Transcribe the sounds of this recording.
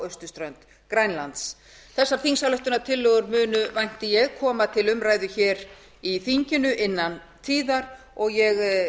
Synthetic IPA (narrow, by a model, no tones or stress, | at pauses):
œst̪ʏst̪ɾœnt̪ | kɾajnlant̪s | θɛsːaɾ̥θiŋsalœht̪ʏnat̪ʰɪlːœɣʏɾmʏːnʏvajn̥t̪ɪjɛɣkʰɔːmat̪ʰɪlʏmraːjðʏçɛːɾ | iθiɲcɪnʏʔɪnːan | t̪ʰiːðaɾ | ɔɣjɛɣ